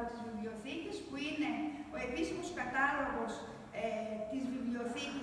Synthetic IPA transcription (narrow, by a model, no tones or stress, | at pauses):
ot̪izvivlio̞θit̪ispuine̞o̞episimo̞skɐt̪ɐlo̞ɣo̞s | et̪izvivlio̞θit̪i